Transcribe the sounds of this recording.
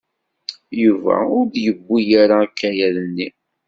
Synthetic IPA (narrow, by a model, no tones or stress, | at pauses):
juvæ̰ʊɾdjəbːijaɾakːæjæðənːi